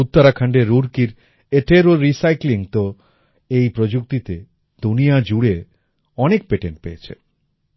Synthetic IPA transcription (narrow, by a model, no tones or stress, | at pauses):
ut̪ːaɾakʰaɳɖeɾːuɾkiɾ | eʈeɾoɾːisajkliŋt̪o | ejpɾod͡ʑuk̚t̪it̪e | d̪unijad͡ʑuɽe | ɔnek̚peʈeɳʈ̚peet͡ɕʰḛ